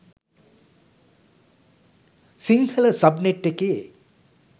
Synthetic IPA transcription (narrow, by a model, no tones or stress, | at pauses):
siŋhələsɐbneʈːekeː